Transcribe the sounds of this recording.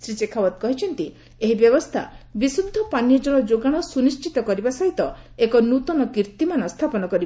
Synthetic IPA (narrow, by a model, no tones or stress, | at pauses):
sɾit͡ʃekʰawɔt̪̚kɔɦit͡ʃʰɔnt̪i | eɦibjɔbɔst̪ʰa̰bisud̪ʱːɔpanjɔd͡ʒɔɭ̃ɔd͡ʒoɡaɽ̃ɔsunist͡ʃit̪ɔkɔɾibasɔɦit̪ɔekɔnut̪ɔnɔkiɾt̪imanɔst̪ʰapɔnɔkɔɾib